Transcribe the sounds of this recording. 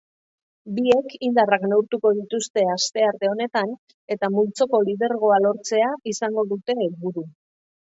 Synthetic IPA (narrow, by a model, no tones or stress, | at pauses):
bie̞kind̪araknewɾt̪uko̞ðit̪ust̪e̞ast̪e̞aɾt̪e̞o̞ne̞t̪an | e̞t̪amult͡so̞ko̞lið̞e̞ɾɣ̞o̞alo̞ɾt͡se̞aisaŋɡo̞ðut̪e̞ːlβuɾu